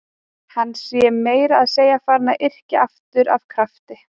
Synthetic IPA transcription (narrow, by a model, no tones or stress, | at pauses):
hanːsjɛmeːjɾaaðseːjafaːɾnaʔɪr̥cɪaft̪ʏɾav̥kʰɾaft̪ɪ